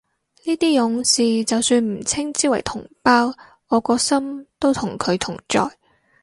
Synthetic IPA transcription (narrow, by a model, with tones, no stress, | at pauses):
niː˥t̪iː˥jʊ˨˥ŋsiː˨t͡sɐ˨wsyː˧nm̩˨˩t͡sʰɪ˥ŋt͡siː˥wɐ˨˩jt̪ʰʊ˨˩ŋpaː˥w | ɔː˨˧kɔː˧sɐ˥mt̪o˥wt̪ʰʊ˨˩ŋkʰɵ˨˧ɥt̪ʰʊ˨˩ŋt͡ʃɔ̰ː˨j